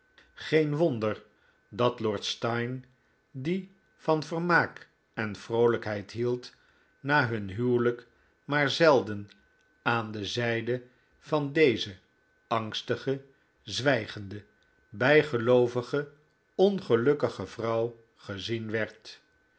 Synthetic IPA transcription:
χejnʋondəɹ | dɑtlɔːɹtstɑjn | di | v̥ɑnvəɹmaːk | ɛnv̥rowləkɦɛjtɦilˠt | naːɦɵnɦywlək | maːɹzɛlˠdən | aːndəzɛjdə | v̥ɑndejzə | ɑŋstəχə | zʋɛjχəndə | bɛjχəlowvəχə | ɔnχəlɵkəχəvrɑw | χəzinʋɛɹt

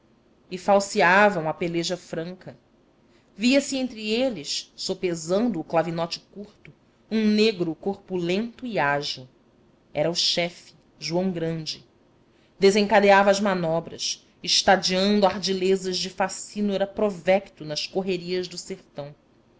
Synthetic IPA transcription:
ifawsiavɐ̃w̃ɐpeleʒɐfɾɐ̃ŋkɐ | viɐsiẽnt̪ɾielɪʃsopezɐ̃nd̪ʊːklavinɔt͡ʃɪ̥kuɾt̪ʊ | ũneɡɾʊkoɾpulẽnt̪ʊiaʒiw | ɛɾɐuʃɛfi̥ | ʒuɐ̃w̃ɡɾɐ̃nd͡ʒɪ | d̪ezẽŋkad̪eavɐːzmanɔbɾɐ̰ʃ | iʃt̪ad͡ʒiɐ̃nd̪ʊahd͡ʒilezɐʒd͡ʒɪfasinoɛɾɐpɾovɛkt̪ʊnɐʃkoɦeɾiɐʒd̪ʊseɾt̪ɐ̃w̃

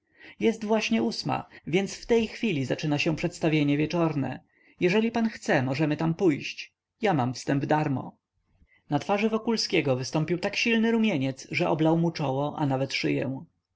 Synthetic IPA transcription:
jɛst̪vwaɕɲɛusma̰vʲjɛnt̪sft̪ɛjxfʲilʲizat͡ʂɘnaɕɛ̃pʂɛt̪st̪avʲjeɲɛvʲjɛt͡ʂɔɾnɛ̰ | jɛʐɛlʲipanxt̪sɛmɔʐɛmɘt̪ampujɕt͡ɕ | jamamfst̪ɛmbvd̪aɾmɔ̰ | nat̪faʐɘvɔkulskʲeɡɔvɘst̪ɔmpʲiwt̪akɕilnɘɾumʲjeɲɛt̪sʐɛɔblawmut͡ʂɔwɔʔa̰navɛt̪ʂɘ̰jɛ̰w̃

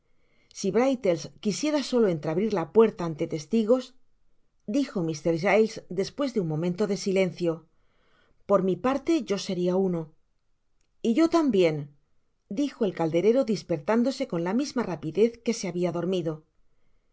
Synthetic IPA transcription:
siβɾajt̪e̞lskisje̞ɾaso̞lo̞e̞nt̪ɾaβɾiɾlapwe̞ɾt̪aːnt̪e̞t̪e̞st̪iɣo̞s | d̪ixo̞mist̪e̞ɾʃajlsd̪e̞spwe̞zðeunmːõ̞mẽ̞nt̪o̞ðe̞sile̞n̟θjo̞ | po̞ɾmipaɾt̪e̞ʝo̞se̞ɾiauno̞ | iʝo̞t̪ambje̞n | d̪ixo̞e̞lkald̪e̞ɾe̞ɾo̞ðispe̞ɾt̪and̪o̞se̞ko̞nlamizmarapiðe̞θke̞se̞aβiaðo̞ɾmiðo̞

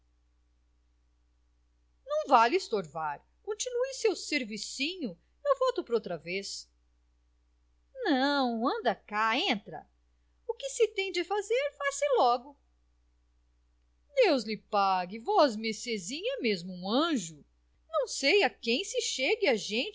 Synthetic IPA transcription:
nɐ̃w̃valɪst̪oɾvaɾ | kõt͡ʃinuɪsewseɾvisĩɲʊ | ewvɔwt̪ʊpoɾowt̪ɾɐves | nɐ̃w̃ɐ̃nd̪ɐkaẽnt̪ɾɐ̰ | ʊkɪsɪt̪ẽj̃d͡ʒɪfazeɾfasɪlɔɡʊ | d̪ewzlɪpaɡɪvɔzmesezĩɲɐmezmʊũɐ̃ʒʊ | nɐ̃w̃sejɐkẽj̃sɪʃeɡɪaʒẽnt͡ʃ

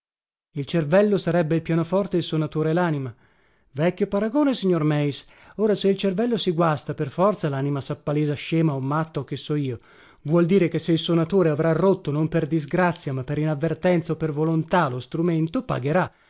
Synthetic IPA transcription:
ilt͡ʃervɛlːosaɾɛbːeilpjaːnofɔrt̪eilsonat̪oːɾelaːnima | vɛkʲːjopaɾaɡoːnesiɲːormɛis | oːɾaseilt͡ʃervɛlːosiɡwast̪aperfɔrt̪salaːnimasapːaleːzaʃeːmaomːat̪ːok̟ːesːɔiːo | vwɔld̪iːɾekesːeilsonat̪oːɾeavɾarot̪ːonomperd̪izɡɾat̪sːjamapːeɾinavːert̪ɛnt̪saopːervolont̪alost̪ɾument̪opa̰ɡeɾa

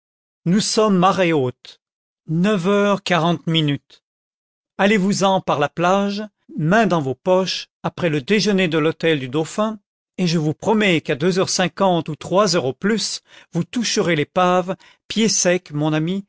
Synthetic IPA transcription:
nusɔmːaʁɛot̪ | nəvœʁkaʁɑ̃t̪minyt̪ | alevuzɑ̃paʁlaplaʒ | mɛ̃d̪ɑ̃vopɔʃ | apχɛləd̪eʒəned̪əlɔt̪ɛld̪yd̪ɔfɛ̃ | eʒəvupχɔmɛkad̪øzœʁsɛ̃kɑ̃t̪ut̪χwazœʁoplysvut̪uʃəʁelepav | pjesɛkmɔ̃nami

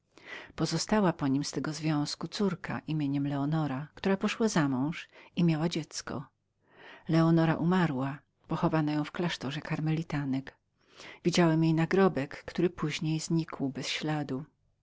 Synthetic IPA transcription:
pɔzɔst̪awapɔɲimst̪ɛɡɔzvʲjɔ̃w̃skut̪suɾka̰ʔimʲjeɲɛmlɛɔnɔɾakt̪uɾapɔʂwazamɔ̃w̃ʂimʲjawad͡ʑɛt̪skɔ̰ | lɛɔnɔɾa̰ʔumaɾwa | pɔxɔvanajɔ̃w̃fklaʂt̪ɔʐɛkaɾmɛlʲit̪anɛk | vʲid͡ʑawɛmjejnaɡɾɔbɛkːt̪uɾɘpuʑɲejzɲikʰwbɛsɕlad̪u

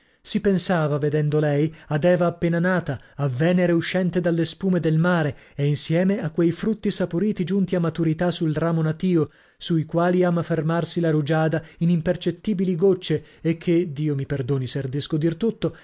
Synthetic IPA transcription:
sipensaːvaved̪ɛnd̪olɛjad̪ɛːvaːpːeːnanaːt̪aː | vːɛːneɾeuʃːɛnt̪ed̪alːespuːmed̪elmaːɾe | einsjɛːmeakːwejfɾut̪ːisapoɾiːt̪id͡ʒunt̪iamːat̪uɾit̪asulraːmonat̪iːo | suikwaːliaːmafermarsilaɾud͡ʒaːd̪ainimpert͡ʃet̪ːiːbiliɡot͡ʃːeː | kʰːed̪iːomiperd̪oːniserid̪iskod̪irt̪ut̪ːo

